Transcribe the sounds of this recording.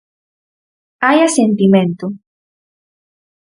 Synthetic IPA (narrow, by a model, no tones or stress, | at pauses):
ajasent̪imẽnt̪o